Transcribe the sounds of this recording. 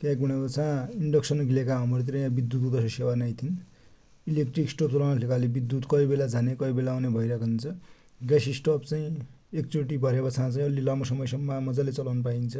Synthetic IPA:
kakɡuɽ̃aot͡sʰãiɳɖʌksʌnɡʱilekaʌmʌɾt̪̬iɾʌjãbid̪ːut̪ut̪ʌsʌsewarnajt̪ʰin | ilekʈriksʈop̚t͡sʌlawnalʰlekalebid̪ːut̪kʌibelad͡zʱanekʌibelaawnebʱʌiɾʌkʰaunt͡sʰʌ | ɡasisʈʌpt͡saĩ | ek̚t͡soʈ̬ibʱʌɾebat͡sʰãt͡saĩʌlilʌmʌsʌmʌjsʌmːamʌd͡zalet͡sʌlawnpaint͡sʰʌ

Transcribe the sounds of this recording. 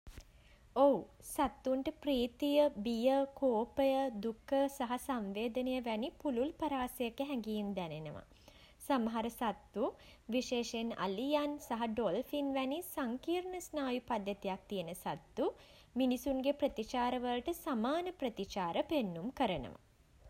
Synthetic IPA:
owsat̪ːuɳʈəpɾiːt̪ijəbijəkoːpəjəd̪ukʰːəsɐɦɐsamʋeːd̪ənejəʋænipululpɐɾaːsɐjəkːəɦɛŋɡiːmd̪ænenəʋa̰ | samɐɦaɾəsat̪ːuʋiʃeːʃena̰lijansɐɦɐɖolfinʋænisaŋkiːɾɳəsnaːjupad̪jət̪ijak̚t̪ijənəsat̪ːu | minisuŋɡepɾət̪it͡ʃaːɾəʋəlʈəsamaːnəpɾət̪it͡ʃaːɾəpenːumkəɾənə̰ʋa̰

